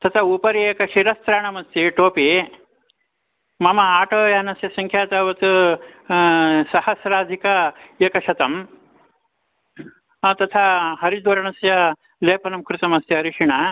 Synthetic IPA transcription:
t̪ɐt̪ʰaupɐɾieːkɐʃiɾɐst̪ɾaːɳɐmɐst̪iʈoːpi | mɐmɐaːʈoːjɐɐnɐsjɐsɐŋkʰjaːt̪ɐʋɐt̪u | sɐhɐsɾaːd̪ʱikɐeːkɐʃɐt̪ɐm | t̪ɐt̪ʰaɦɐɾid̪ʋɐɾɐɳɐsjɐ | leːpɐnɐmkɾut̪ɐmɐst̪jɐɐɾiʂiɳɐ

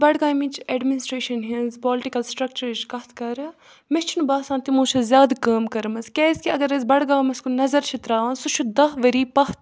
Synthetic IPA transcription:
bɐɽɡãːjmĩt͡ʃʰɛːɖminɪsʈɾeːʃɐnɦinzpɔːlʈikɐlsʈɾɐk̚t͡ʃɐɾʃkɐht̪ʰkɐɾ | mest͡ʃʰnubaːsãːnt̪imũːt͡ʃʰɐzʲjaːd̪kɐːmkɐɾmɐzkʲɛːskiɐɡɐɾɐzbɐɽɡaːmɐskunɐzɐɾt͡ʃʰit̪ɾaːnsut͡ʃʰud̪ɐɦʋɐɾiːpɐht̪ʰ

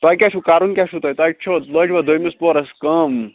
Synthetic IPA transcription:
t̪aːjkʲaːʃʰukaːɾunkʲaʃʰut̪ɐːjt̪at͡ʃʰoːt̪ləːʈʲʋad̪ʱojmispoːɾɐskɐm

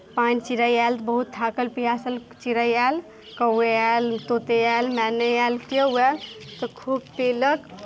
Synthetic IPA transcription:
pãːnt͡ʃiɾəjɛlt̪bəɦut̪ʰːakəlpijasəl | t͡ʃiɾəjɛl | kəweɛlt̪ot̪eɛlmɛnəjɛlkəɛlt̪ɔkʰub̚p̪elək

